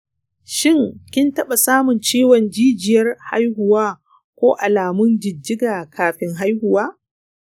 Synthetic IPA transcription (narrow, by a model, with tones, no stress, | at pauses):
ʃɪ˦ŋkʲɪ˦ntɐ˦ɓa˨saː˦mʊ˨nt͡ʃeː˦wɔ˨nd͡ʒiː˦d͡ʒɪ˨jɐ˦rha̰˦jhʊ˨waː˦ | kʷoː˦ʔa˨laː˨mʊ˦nd͡ʒɪ˨d͡ʒːɪ˦ɡaː˨kʰaː˨ɸɪ˦ŋɦa˦jhʊ˨waː˦